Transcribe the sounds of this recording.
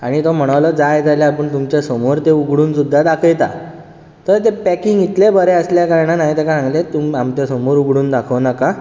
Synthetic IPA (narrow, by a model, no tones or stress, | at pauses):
aɽ̃it̪om̤əɽ̃əʋləːd͡zajd͡z̪aljaapəɳt̪umt͡ɕasəmoɾt̪euɡɽuːnsud̪ʱːad̪akʰəjt̪a̰ | t̪əɾt̪̬epækiŋɡit̪lebəɾeəsljakaɾɳ̃anaɦit̪ekasãŋɡlet̪umamt͡ɕasəmoɾuɡɽuːnd̪akʰəʋnaka